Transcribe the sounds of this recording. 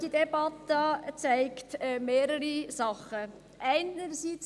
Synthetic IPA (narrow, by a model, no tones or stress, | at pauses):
d̥idɛbɑt̪ət͡sæɪktɛmeːɾəɾisɑχə | ʔæɪnəɾsiːt͡s